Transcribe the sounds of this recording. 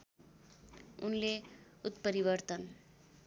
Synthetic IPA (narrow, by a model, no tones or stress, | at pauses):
unle | ut̪pəɾiʋəɾt̪ən